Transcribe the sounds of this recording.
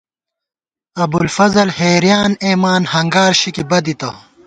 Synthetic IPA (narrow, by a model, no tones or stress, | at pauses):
ɐbulfɐzɐlheːɾijaːneːmaːnhɐŋɡaːɾɕikibɐd̪it̪ɐ